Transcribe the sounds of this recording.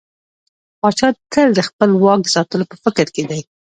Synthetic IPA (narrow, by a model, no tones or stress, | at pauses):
pɑt͡ʃɑd̪̚kəld̪əxpəlwɑk̚d̪əsɑt̪əlopəfɪkɾked̪aj